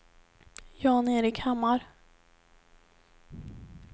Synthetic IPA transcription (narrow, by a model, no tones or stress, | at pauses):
jɑːneːɾɪkʰhamːaɾ